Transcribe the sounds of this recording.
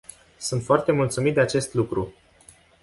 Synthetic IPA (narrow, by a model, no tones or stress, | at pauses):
sunt̪foart̪e̞mult̪sumit̪̚d̪eat͡ʃe̞st̪lukɾu